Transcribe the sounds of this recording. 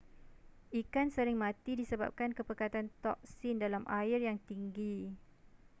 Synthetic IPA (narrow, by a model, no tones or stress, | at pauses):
ikansəɾɪŋmãt̪idisəba̰p̚kankəpəkat̪ant̪ɔk̚sindalamʔaɪrjaŋt̪iŋɡi